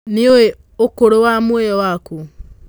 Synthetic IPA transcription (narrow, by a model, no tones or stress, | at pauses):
nioe | okoɾowamweɔwaku